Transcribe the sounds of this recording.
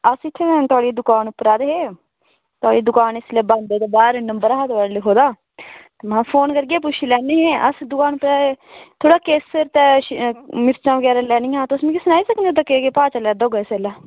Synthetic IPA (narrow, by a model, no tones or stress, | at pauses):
əsɪt̪ʰːẽt̪ʊaːɽiːd̪ʊkaːnʊpːɾaːd̪eɦeː | t̪ʊaːɽiːd̪ʊkaːnɪsleːband̪eːt̪oːbaːɾnəmbəɾaːt̪ːʋaɾliːɦoːd̪aː | t̪eːmãːpʰoːnkəɾɡeːp̬ʊʃʰiːlɛːniːɦeːʔəsd̪ʊkaːnʊpɾaːet̪ʰoːɽaːkeːsəɾt̪ɛː | mɪɾt͡ʃãːʋəɡɛːɾaːlɛːnĩːɦãːt̪ːʊsmĩkɪsənaːiːsəkənd̪ed̪aːkekepaːt͡ʃaːlɛːd̪oɡɛːsɛːlaː